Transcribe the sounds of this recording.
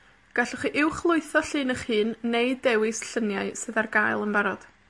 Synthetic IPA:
ɡ̥aɬɔχiʔɪwχlˠʊɨθɔɬɨːnəχhɨːnːejdːɛwɪsɬənjaɨsɨðarɡajlˠənbaɾɔd̥

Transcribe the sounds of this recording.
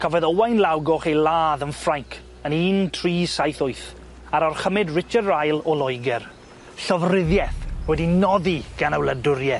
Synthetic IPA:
kʰɔvɔðɔwajnlˠawɡɔχejlˠaːðənfraŋkʰ | əniːntʰriːsajθʊɨθ | aɾɔrχəmɪdrɪt͡ʃadrajlˠɔlˠɔjɡɛr | ɬɔvrɪðjɛθwɛdinɔðiɡ̥anawlˠədʊɾjɛ

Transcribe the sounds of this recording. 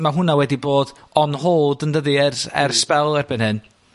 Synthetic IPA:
maɦʊnawɛdiboːd̥ɔnhoːdəndəðiɛrɛ̰rspɛlˠɛrbɨnhɨn

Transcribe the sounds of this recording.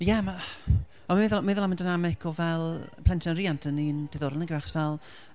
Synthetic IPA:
jɛma | ɔmɪðɔlmɪðɔlˠaməndanamɪkʰɔvɛlˠpʰl̥ˠɛntʰnanriːantʰənːind̥ɪðɔɾənəɡiwaχɔ̥svɛlˠ

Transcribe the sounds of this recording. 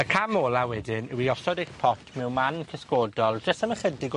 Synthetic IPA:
əkʰamoːlˠawɛdɪnɪwiɔsɔdeχpʰɔtʰmɛwmankʰəskoːdɔlˠd͡ʒəstəməχədɪɡ

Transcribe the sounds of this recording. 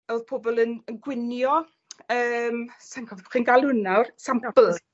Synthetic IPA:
ɔwðpʰobɔlˠənənɡwɪnjɔ | əːmsaŋkʰɔvχinɡalˠʊnawrsaml

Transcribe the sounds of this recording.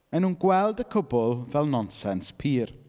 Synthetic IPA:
ɛnuːnɡwɛlˠdəkʰʊbʊlˠvɛlˠnɔnsɛnspʰiːr

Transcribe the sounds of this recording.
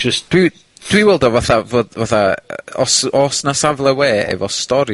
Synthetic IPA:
d͡ʒ̥əstd̥wi | d̥wiwɛlˠdɔvaθavoːdvaθaəɔsɔːsnasavlˠɛweːɛ̰vɔstɔɾ

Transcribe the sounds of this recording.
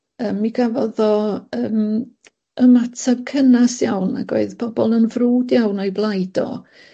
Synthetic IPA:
əːmːiɡavɔðɔəːm | əmatʰabkʰənasjawna̰ɡo̰ɨðb̥ʰɔbɔlˠənvruːdjawnɔɨblˠajdɔ̰

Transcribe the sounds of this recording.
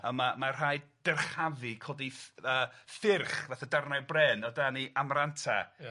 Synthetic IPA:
əmamar̥ajd̥ɛrχavɨkʰoːdiəːfɪrχvaθadarnabrɛːnɔdaniʔamrantʰa̰

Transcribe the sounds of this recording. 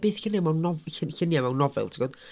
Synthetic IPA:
b̥eːθɪnamawnɔvɪxɪnjamawnɔvɛ̰lˠtʰiɡɔːd̥

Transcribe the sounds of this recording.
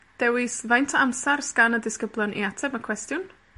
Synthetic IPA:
d̥ɛwɪsvajntʰəamsarsɡ̥anədɪskəblˠjɔnʔḭatʰɛbəkʰw̥ɛstjʊn

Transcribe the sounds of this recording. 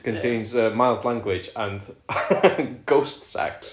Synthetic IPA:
kʰə̃ntʰẽɪ̃nzəmaɪlˠdlãŋɡwɪd͡ʒə̃n | ɡ̥oʊstsa̰k̚t

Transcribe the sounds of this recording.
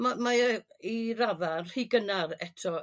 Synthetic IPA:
mamairavarriɡənarɛtʰɔ

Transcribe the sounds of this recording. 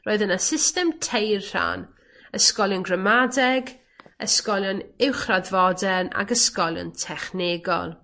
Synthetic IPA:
roːɨðənəsɪstɛmtʰejrr̥a̰n | əskɔlˠjɔnɡrəmadɛɡ | ə̰skɔlˠjɔnɪwχradvɔdɛna̰ɡəskɔlˠjɔ̰ntʰɛχnɪɡɔ̰lˠ

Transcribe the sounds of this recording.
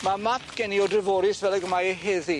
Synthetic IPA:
mamapʰɡ̥ɛniɔdrɪvoːɾɪsvɛlˠəɡəmajəɦeði

